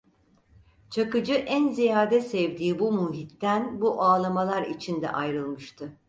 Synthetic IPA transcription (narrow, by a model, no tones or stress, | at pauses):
t͡ʃʰakɯd͡ʒɯʔænzijaːd̪ɛsɛvd̪iːbumuɦit̪ːænbuʔaːlˠamalˠaɾit͡ʃʰind̪ɛ̰ʔajɾɯlˠmɯʃt̪ʰɯ